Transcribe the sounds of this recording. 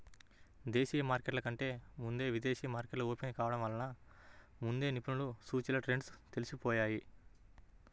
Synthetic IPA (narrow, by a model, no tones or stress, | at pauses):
d̪e̞ːʃiːjɐmaːɾkeʈlɐkɐɳʈe̞ːmund̪e̞ːʋid̪eːʃiːjɐmaːɾkeʈlɐoːpinikaːʋɐɽɐmʋɐlɐna | mund̪e̞ːnipunulusuːt͡ʃilɐʈɾe̞ɳɖst̪e̞lisupɔːjaːji